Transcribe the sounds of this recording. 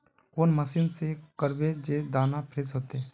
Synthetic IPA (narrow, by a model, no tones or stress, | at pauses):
koːnməsinsekəɾbed͡ʒed̪aːnapʰɾeːsɦoːt̪e